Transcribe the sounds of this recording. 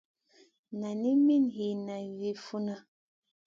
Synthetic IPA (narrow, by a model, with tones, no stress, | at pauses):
na˨ni˦mi˦nɦi˨na˨vi˨fu˦na˦